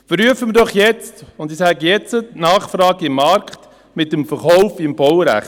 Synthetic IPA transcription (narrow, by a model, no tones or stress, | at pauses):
fəɾyəfəmədɔχjɛt͡stʊndɪsæɡjɛt͡sətnɑːχfɾɑːɡɪmːɑɾkχt | mɪtːəmfəɾχɔʊfɪmbɔwɾæ̰χt